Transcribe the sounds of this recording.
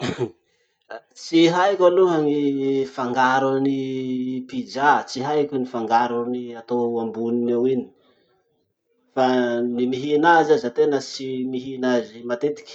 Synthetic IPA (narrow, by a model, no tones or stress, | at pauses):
t͡siɦajkʲaluɦəŋifaŋɡaɾunipid͡ʒat͡siɦajkʲunifaŋɡaɾuniat̪oambuninewini̥ | fanimiɦinazazat̪enət͡ʃimiɦinazimat̪et̪i̥kʲ